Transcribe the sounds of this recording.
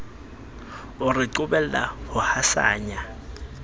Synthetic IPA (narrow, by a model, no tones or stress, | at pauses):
ʊrɪǃʊbɛl̩la̰hʊhasa̰ːɲa